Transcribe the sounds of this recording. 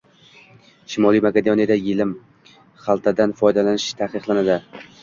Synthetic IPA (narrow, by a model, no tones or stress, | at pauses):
ʃɪmɒlˠijmakʲed̪onijad̪ajɪlɪm | χɑlˠt̪ʰad̪anfɒjd̪alanɪʃt̪ʰaqɨqlˠanad̪ɪ